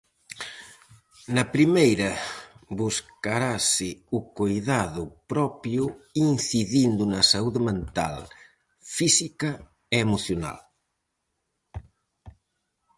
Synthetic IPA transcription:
nɐpɾimejɾɐbuskaɾasɪukojðaðʊpɾɔpjuinθiðind̪unɐsauðemẽnt̪a̰l | fisikɐ | eemuθjuna̰l

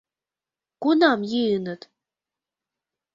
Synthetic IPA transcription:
kunɑmjiɯnə̆t̪

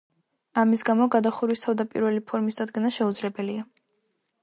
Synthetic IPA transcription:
amisɡamɔɡad̪aχuɾwist̪ʰavd̪apʼḭɾvɛlipʰɔɾmisd̪ad̪ɡɛnaʃɛud̪zlɛbɛlia

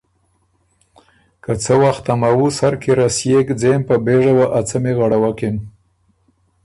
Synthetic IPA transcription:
kət͡səwaxt̪amawusaɾkeɾasjekd͡zempəbeʐawaʔat͡səmeɣaɽawakɪn

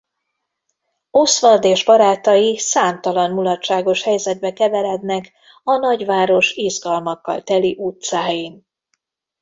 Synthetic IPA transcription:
o̞sʋɒrd̪eːʒbɒɾaːt̪ɒjisaːmt̪ɒlɒnmulɒtt͡ʃːaːɡo̞ʃhɛjzɛd̪̚bɛkɛvɛlɛd̪nɛk | ɒnɒɟʋaːɾo̞ʃizɡɒlmɒkːɒ̰lt̪ɛliʔut̪saːjin

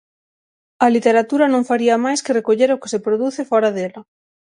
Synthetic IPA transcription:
ɐlit̪eɾat̪uɾɐnõŋfaɾiɐmajskerekoʎeɾoke̥sepɾoðuθefɔɾaðelɐ

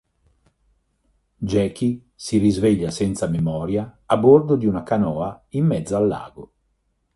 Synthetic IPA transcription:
d͡ʒɛːki | sirizvɛʎːasɛnt̪samemɔːɾjaːbord̪od̪iunakanɔːaimːɛd̪zːoalːa̰ːɡo

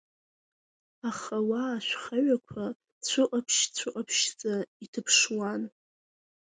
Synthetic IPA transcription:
aχawaʃʷᶣχaɥakʷʰa | t͡ɕʷʰʊʔʼapʰʃt͡ɕʷʰʊʔʼapʰʃt͡sʼaitʰɨpʰʂwan

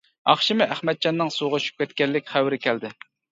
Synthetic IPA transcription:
ɑ̰χʃimɪʔæχmɛd̪̚d͡ʒɑnːɨŋsuʁʊʃy̥p̚kʲʰɛt̪kʲɛlːɪkʲχæwɾɪkʲʰɛld̪ɪ

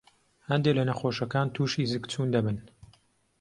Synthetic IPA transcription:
hɐnd̪elɐnɐxoːʃɐkaːnt̪ʰuːʃiːzɨkt͡sʰuːnd̪ɐbɨn

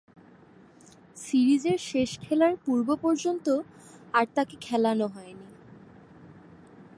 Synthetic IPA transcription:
siɾid͡ʑeɾʃeʃkʰɛlaɾpuɾbopɔɾd͡ʑont̪oaɾt̪akekʰɛlanoɦɔeni

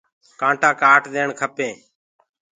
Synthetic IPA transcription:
kãːɳʈãːkaːʈd̪eːɳkʰəpẽː

